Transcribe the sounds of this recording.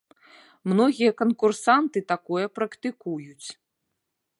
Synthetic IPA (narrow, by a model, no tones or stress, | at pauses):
mnɔɣʲijɐkɐnkursant̪ɨt̪akɔjɐpɾɐkt̪ɨkujut͡sʲ